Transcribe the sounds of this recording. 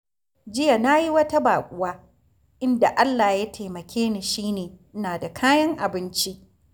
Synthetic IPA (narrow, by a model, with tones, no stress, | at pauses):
d͡ʒɪ˦ja˨na˦ji˦wɐ˦ta˦baː˨kʷʼʊ˦waː˦ | ʔɪ˦nda˨ʔa˦lːaː˨ja˦tʰeː˨mɐ˨kʲeː˦niː˨ʃiː˦neː˨ʔɪ˦naː˨da˨kʰaː˦jɐ˦ŋʔa˨bɪ˦nt͡ʃi˦ʔ